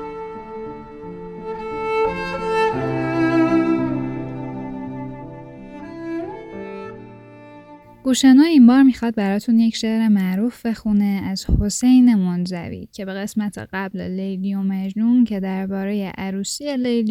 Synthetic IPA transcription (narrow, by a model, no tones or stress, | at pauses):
ɡ̥uːʃænɒːimbɒːɾmiːxɒd̪̚bæɾɒːt̪ʰunjecʃeɾe̞mæʔɾuːfbe̞xuneæz̥ho̞sejne̞monzæ̰vḭːcʰe̞be̞ɣe̞smæt̪ʰḛɢæbllejlijomæd͡ʒnuːncʰe̞d̪æɾbɒːɾe̞jeʔæɾuːsielejl